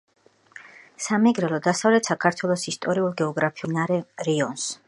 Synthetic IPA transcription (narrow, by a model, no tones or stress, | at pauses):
samɛɡɾɛlˠɔd̪asavlɛt̪sakʰaɾt̪ʰwɛlˠɔsist̪ʼɔɾiulˠɡɛɔɡɾapʰiunaɾɛɾiɔns